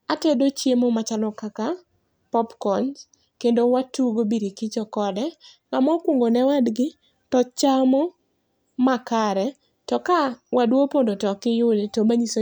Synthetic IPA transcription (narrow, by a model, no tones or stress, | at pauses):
atɛdot͡ʃjemomat͡ʃalɔkaka | pɔpkɔɲ | kendowatuɡobiɾikɪt͡ʃɔkɔdɛ | ŋamɔkwoŋɡonɛwadɡɪ | tɔt͡ʃamɔ | makaɾɛ | tɔkawadwopondotɔkɪjʊdetomaɲiso